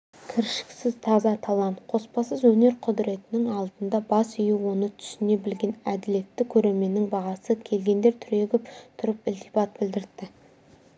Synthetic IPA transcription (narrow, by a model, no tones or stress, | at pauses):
kʲʰɪɾʃɪ̥ksɪzt̪ʰɑzɑt̪ʰɑlˠɑnt̪qʰo̞spɑsəzwɵne̞ɾqʰʊd̪ɾe̞t̪ɪnɪŋɑlˠd̪ənd̪ɑbɑsʏjuwo̞nət̪ʰʏ̥sɪne̞bɪlɡʲe̞næd̪ɪle̞t̪ːɪkʲʰːɵɾe̞ɾme̞nːɪŋbɑʁɑsəkʲʰe̞lɡʲe̞nd̪e̞ɾt̪ʰʏɾe̞ɡʲɪpt̪ʰʊɾəpɪlt̪ʰijbɑt̪̚bɪld̪ɪɾd̪ɪ